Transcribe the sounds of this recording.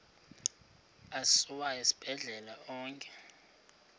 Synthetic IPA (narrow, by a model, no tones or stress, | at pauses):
asuwaesi̥b̥ʱɛɮɛlaɔːŋkʼɛ̥